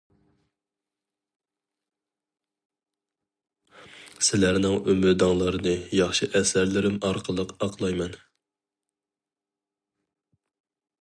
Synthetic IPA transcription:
sɪlæɾnɪŋymɪɾd̪ɑŋlˠəɾɨnɨjɑχʃɨʔɛsæɾlɪɾɪmɑɾqʰəlˠəqɑqʰlˠɑjmɛn

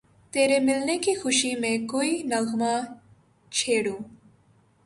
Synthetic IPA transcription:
t̪eɾemɪlnekixuʃimẽkuinalxma | t͡ʃʰeɽũ

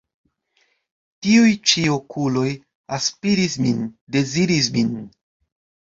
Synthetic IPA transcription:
tiujt͡ʃiokʰulo̞j | aspiɾisminde̞ziɾis̬min

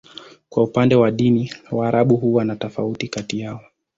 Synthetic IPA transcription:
kwaupandɛwaɗiniwaːɾaɓuɦuwanatɔfautikatijaɔ

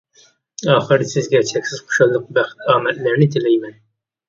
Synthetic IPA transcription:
ɑːχɨɾd̪ɪsɪzɡʲɛt͡ʃʰɛkʲsɪz̥qʰʊ̥ʃɑlˠːɨq̚bæχt̪ʰɑːmɛlːæɾnɪt̪ʰɪlɛjmɛn

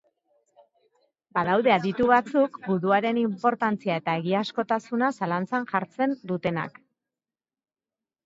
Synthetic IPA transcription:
baðawðe̞aðit̪uβat͡sukɡuðuaɾe̞nimpo̞ɾt̪ant͡siae̞t̪ae̞ɣiasko̞t̪asunasalant͡sanʝaɾt͡se̞nd̪ut̪e̞na̰k

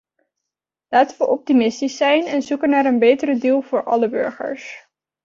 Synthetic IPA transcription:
laːtənʋəʔɔp̚timɪstisːɛjnɛnzukənaːɾənbejtəɾədilˠvʊːɹʔɑ̰ləbɵ̰ɹχə̰ɹs

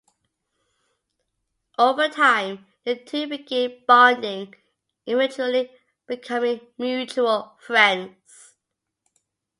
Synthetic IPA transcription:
ʔoʊvətʰãɪ̃m | ðətʰipɪɡɪb̥ɑːndɪ̃ŋ | ʔɪɹɪt͡ʃəli | b̥ɪkʰʌmɪ̃ŋmjʉˑt͡ʃuəlˠfɹɛ̃ndz̥

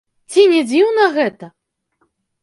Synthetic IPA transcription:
t͡sʲinʲɛd͡zʲiwnɐɣɛt̪ɐ

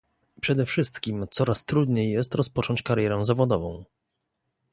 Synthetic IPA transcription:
pʂɛd̪ɛfʂɘst̪kʲimt̪sɔɾast̪ɾud̪ɲejːɛst̪ɾɔspɔt͡ʂɔɲt͡ɕkaɾjɛɾɛ̃zavɔd̪ɔvɔ̰̃w̃

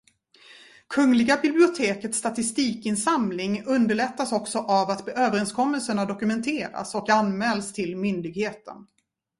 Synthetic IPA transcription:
kʰɵŋːlɪɡabɪblɪʊt̪ʰeːkət̪st̪at̪ɪst̪iːkɪnsamlɪŋɵnd̪əɭɛt̪ːasɔksɔʔavat̪øːvəɾɛnskʰɔmːəlsəɳad̪ɔkɵmɛnt̪ʰeːɾa̰sɔkanmɛlst̪ʰɪlmʏnd̪ɪɡheːt̪ə̰n

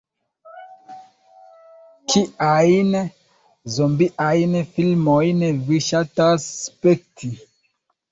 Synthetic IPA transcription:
kʰiʔajn | zombiʔajnfilmojnviʃataspektʰi

